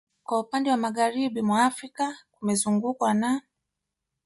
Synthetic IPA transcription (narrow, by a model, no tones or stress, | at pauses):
kwaupandɛwamaɣaɾiɓimwaːfɾikakumɛzuŋɡukwana